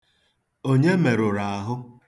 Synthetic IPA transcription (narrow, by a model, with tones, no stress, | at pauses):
o˦ɲe˦me˨ɾʊ˨ɾa˨a˨ɦʊ˦